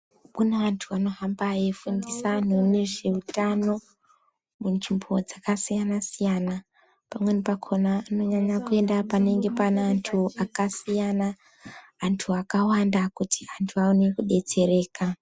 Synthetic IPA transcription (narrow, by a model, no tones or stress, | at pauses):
kuneʋantʰuʋano̞ɦambajefundisan̤une̞ʐe̞utano̞ | munʐimbo̞d͡zakasijanasijana | pamwe̞nipakʰonaːno̞ɲaɲakue̞ndapane̞ŋɡe̞paneantʰuakasijanaː | ntʰuakawandakuti̥antʰuaone̞kuɗe̞t͡se̞ɾe̞ːka